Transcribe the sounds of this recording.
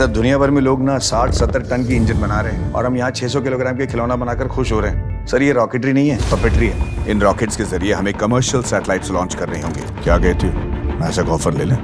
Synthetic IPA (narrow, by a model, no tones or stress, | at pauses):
sɐɾd̪ʱʊnijabʱɐɾmẽloːɡnasaːʈʰsɐt̪ːəɾʈɐnk̬iɪ̃ɲd͡ʒənbɐnaːɾeɦɛ̃ɔ̰ːɾɦɐmjɐɦãt͡ʃʰɛːsɔk̬ɪloːɡɾaːmkekʰɪloːnabɐnaːkɐɾxʊʃɦoːɾɐɦɛ̃ːsɐɾjeɾɔːkeːʈ̬ɾinɐɦĩɦɛːpɐpeːʈɾiɦɛːɪnɾɔːkeːʈskezɐɾieɦɐmẽkɐməːɾʃəlsɛːʈlaːɪʈslɔ̃ːnt͡ʃkɐɾːɐɦeɦõ̰ːŋɡḛːkjaːɡɐet̪ʰiomɛ̰ːsekɔːfəɾleːlẽː